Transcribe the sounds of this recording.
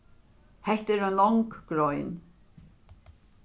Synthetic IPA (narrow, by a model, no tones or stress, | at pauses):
hɛht̪ɛɾœnɔŋkɡ̥ɾɔjn